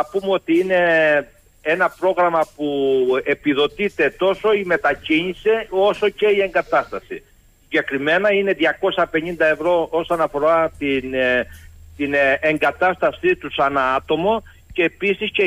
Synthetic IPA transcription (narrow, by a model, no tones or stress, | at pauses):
ɐpumeo̞t̪iine̞ | enɐpɾo̞ɣɾɐmɐpue̞piðo̞t̪it̪e̞t̪o̞so̞ime̞t̪ɐciɲise̞o̞so̞ce̞ie̞ŋɡɐt̪ɐst̪ɐsi | siɲɟe̞kɾime̞nɐine̞ðʝɐko̞sɐpe̞ɲind̪ɐe̞vɾo̞o̞sonɐfo̞ɾɐt̪in | t̪ineŋɡɐt̪ɐst̪ɐsit̪usɐnɐɐt̪o̞mo̞ | ce̞ːpisisce